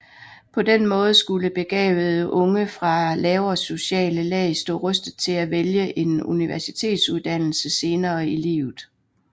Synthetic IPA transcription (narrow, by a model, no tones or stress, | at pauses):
pʰɒ̽d̥enmɔ̽ːð̞̩ˠsɡ̥uləb̥e̝ɡ̥ɛ̰ːb̥ð̞̩ˠəʔɔ̽ŋəfʁɑ̈lɛːʊɐso̝ɕɛ̰ːləlɛ̰ːɪsd̥ɔ̰ːʁœsd̥ð̩ˠt͡sʰe̝læʋeljəʔe̝nuniʋæɐsit͡sʰe̝̰ːd̥suðˠd̥æn̰l̩səse̝ːnɐːilḭːʊð̩ˠ